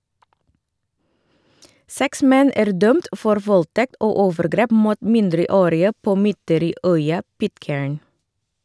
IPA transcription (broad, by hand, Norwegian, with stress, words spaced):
ˈsɛks ˈmɛn ˈæːɾ ˈdœmt ˈfɔɾ ˈʋɔlˌtɛkt ˈoː ˈoːʋəɾˌɡɾeːp ˈmuːt ˈmɪndɾəˌoːɾɪə ˈpoː ˈmʏtəɾiːˌœʏɑ ˈpɪtˌkeːɹn